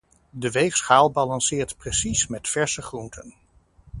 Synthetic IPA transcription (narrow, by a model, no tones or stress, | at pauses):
dəʋejfsχaːlˠbaːlɑnsɪːɹtpresismɛtfɛɹsəχruntʰə̰n